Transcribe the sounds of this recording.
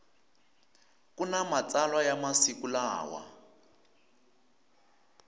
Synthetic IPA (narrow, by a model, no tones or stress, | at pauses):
kunamat͡salwajamasikulaːwa̰